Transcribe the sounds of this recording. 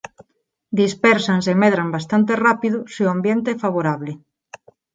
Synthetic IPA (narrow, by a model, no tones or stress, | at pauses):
d̪ispɛɾsansemeðɾambast̪ant̪erapiðʊseʊambjent̪eɛfaβoɾaβlɪ